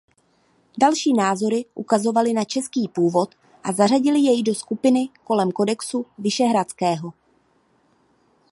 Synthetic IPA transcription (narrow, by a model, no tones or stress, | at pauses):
dalʃiːnaːzo̞ɾɪʔukazo̞valɪnat͡ʃɛskiːpuːvo̞t̪ | ʔazaraɟɪlɪjɛjdo̞skupɪnɪko̞lɛmko̞dɛksuvɪʃɛɦɾat͡skɛːɦo̞